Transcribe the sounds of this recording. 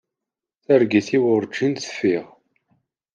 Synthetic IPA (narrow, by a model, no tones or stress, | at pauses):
θæɾɡiθiwʊɾˤd͡ʒinθə̥fiʁ